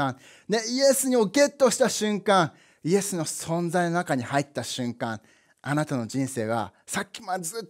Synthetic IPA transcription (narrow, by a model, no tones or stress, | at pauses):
ã | d̪e̞ie̞sɨɲ̟io̞ke̞t̪ːo̞ɕi̥t̪aɕɨ̃ŋkãɴ̃ | ie̞sɨno̞sõ̞nd͡zaino̞nakaɲ̟ihait̪ːaɕɨ̃ŋkãŋ | anat̪ano̞d͡ʑĩɰ̃se̞ːɡa̰sakʲːi̥mazɨ